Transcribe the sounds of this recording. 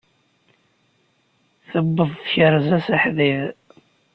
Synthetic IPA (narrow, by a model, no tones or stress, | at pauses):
θəbːəðˤθçəɾˤzæsaħðið